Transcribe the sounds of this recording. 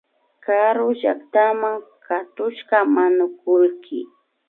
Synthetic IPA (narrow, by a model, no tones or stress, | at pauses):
kaɾʊʒa̰kt̪amaŋkʰat̪ʊʃkamanʊkʊlkʰɪ̰